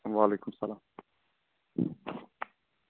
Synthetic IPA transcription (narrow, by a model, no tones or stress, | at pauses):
ʋaːleːkʊmsɐlaːm